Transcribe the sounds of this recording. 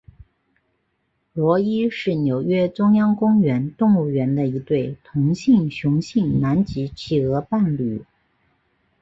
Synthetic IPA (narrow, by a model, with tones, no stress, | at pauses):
lwɔ˧˥i˥ʂɻ̩˥˩njo˨˩ʊɥɛ˥ʈ͡ʂʊ˥ŋjɑ˥ŋkʊ˥ŋɥɛ˧˥nt̪ʊ˥˧ŋu˥˩ɥɛ˧˥nd̪ə˧i˧˥t̪we˥˩ɪt̪ʰʊ˧˥ŋɕi˥˩ŋɕjʊ˧˥ŋɕi˥˩ŋna˧˥nt͡ɕi˧˥t͡ɕʰi˧˩ɤ˧˥pa˥˩nly˨˩